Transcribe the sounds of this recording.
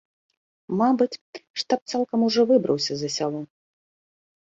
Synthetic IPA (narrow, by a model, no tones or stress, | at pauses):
mabɨt͡sʲʂt̪ap̚t̪salˠkɐmuʐɔvɨbɾɐwsʲɐzɐsʲalˠɔ